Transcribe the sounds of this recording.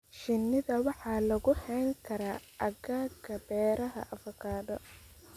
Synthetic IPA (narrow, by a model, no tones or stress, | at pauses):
ʃɪnːɪðɐwɑħɑːlɐɣʊhɛjŋkʰɐɾaːʔɐɣaːɡɐbɛːɾɐɦɐ̰ʔɐfɔkʰaːðɔ